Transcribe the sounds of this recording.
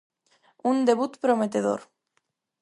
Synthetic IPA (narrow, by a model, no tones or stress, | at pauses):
und̪e̞βut̪pɾo̞met̪eðo̰ɾ